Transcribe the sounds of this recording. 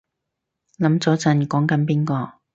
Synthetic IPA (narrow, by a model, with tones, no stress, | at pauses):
lɐ˨˥mt͡sɔː˨˥t͡sɐ˨˧nkɔː˨˥ŋkɐ˨˥np̬iː˥nkɔː˧